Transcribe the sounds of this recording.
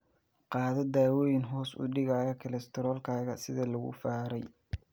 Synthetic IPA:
qɑːðɐd̪aːwɔːjɪnɦɔːsʊ̰ɖɪɣaːjɐkʰɪlɛst̪ʰɔɾɔːlkʰaːɣɐsɪðɐlɐɣʊ̰faːɾɛj

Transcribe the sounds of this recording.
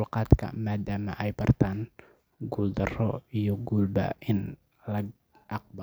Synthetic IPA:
lkat̪ka̰ʔmadama̰ʔajpərt̪an | ɡuld̪ərɔjɔɡulba̰ʔin | laɡ̚ | ʔak̚ba

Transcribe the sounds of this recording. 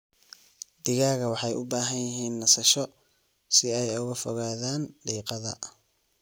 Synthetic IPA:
d̪ɪɣaːɣɐwɑħɑjʔʊbaːɦɐnjɪɦiːnːɐsɐʃɔ | sɪɛjʊɣɐfɔɣaːðaːnɖiːqɑðɐ̰

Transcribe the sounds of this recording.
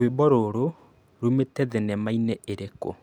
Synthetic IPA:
webɔɾoɾo | ɾumetɛðɛnɛmainɛʔeɾeko̰

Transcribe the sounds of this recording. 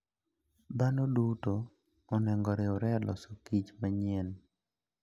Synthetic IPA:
danodutoː | nɛŋɡɔɾɪɔɾɛlʔɔ̰sokit͡ʃmaɲen

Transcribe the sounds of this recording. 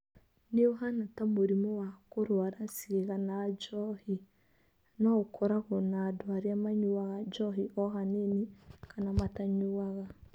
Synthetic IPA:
neoɦanatamoɾimɔwakoɾwaɾasiɣeɣanad͡ʒɔhi | nɔokʰɔɾaɣɔnaːdwaɾiamaɲuaɣad͡ʒɔɦiʔɔɦanenikanamataɲuaɣa

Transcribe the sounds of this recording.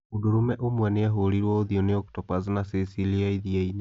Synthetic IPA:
odoɾumɛʔomwɛneaɦoɾiɾwɔoðiɔneɔktɔpaznasisiliaiðiaine

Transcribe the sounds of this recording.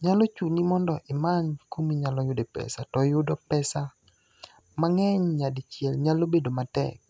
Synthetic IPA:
ɲalot͡ʃunimɔndɔʔɪmankomiɲalɔjʊdepɛ̰satɔjʊdɔpɛsa | maŋɛɲɲadɪt͡ʃjɛlɲalobedomatɛ̰k̚

